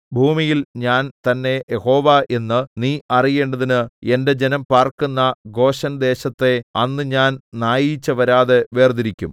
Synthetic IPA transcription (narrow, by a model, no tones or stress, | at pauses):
bʱuːmijilɲaːnt̪ɐnːe̞jeho̞ːʋaʔe̞nːɨniːɐrije̞ːɳɖɐðinɨe̞nde̞d͡ʑe̞nɐmpaːrkunːɐɡo̞ːɕɐnd̪e̞ːɕɐt̪ːe̞ɐnːɨɲaːnnaːjit͡ɕːɐʋɐɾaːðe̞ʋe̞ːrd̪iɾikʲːṵm